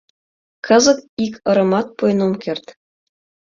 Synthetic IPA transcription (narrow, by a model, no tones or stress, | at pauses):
kʰɤ̆zɤ̆k̚ikʲɤ̆ɾɤ̆mɑt̪̚pujnomkʲerʲt̪ʲ